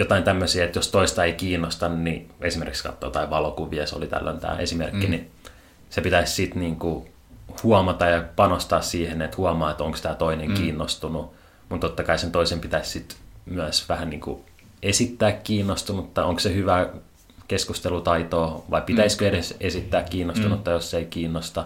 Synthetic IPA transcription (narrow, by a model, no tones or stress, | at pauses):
jot̪ɑint̪æmːøsiæet̪jost̪oist̪ɑeikiːnːost̪ɑnniesimerkikskɑ̰t̪ːo̰ːt̪ɑiʋʋɑlokuʋiɑseo̰lit̪æ̰lːæ̰nt̪æ̰ːesimerkːini | sepit̪æissit̪niːŋku | huɑmɑt̪ɑjɑpɑnost̪ɑːssiːhenet̪huɑmɑːet̪oŋkst̪æːt̪oineŋkiːnːost̪unu | mut̪t̪ot̪ːɑkɑisent̪oisempit̪æissit̪myæsʋæhænniːŋkṵ | esit̪ːæːkkiːnːost̪unut̪ːɑoŋksehyʋæː | keskust̪elut̪ɑit̪oːʋɑipit̪æiskøeɾesesit̪ːæːkkiːnːost̪unut̪ːɑjosːeikiːnːost̪ɑ